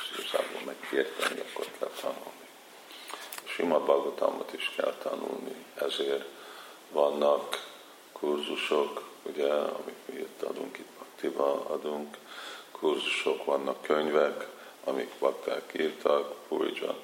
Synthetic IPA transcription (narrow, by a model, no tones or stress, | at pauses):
sisa̰ːboːmmɛkːert̪ɛniɒkːorkʰɛlt̪ʰɒnulni | ʃimɒd̪bɒɡot̪ɒ̰mɒt̪iʃkɛlt̪ʰɒnṵlniɛzeːr | ʋɒnːɒkː | urzuʃo̞kuɟɛɒ̰mikmiːit̪ːɒd̪uŋkit̪bɒkt̪ibɒɒd̪uŋkʰː | urzuʃo̞kʋɒnːɒkːøɲvɛk | ɒmikbɒkt̪akiːrt̪ʰɒkpuɾḭd͡ʒɒ̰n